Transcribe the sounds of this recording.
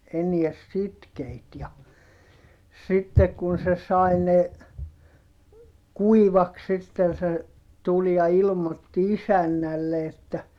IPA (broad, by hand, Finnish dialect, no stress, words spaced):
enie sitkeit jɑ sitːek kun se sɑi ne kuiʋɑks sitːen̞ se tul jɑ ilmotːi isænːælːe etːæ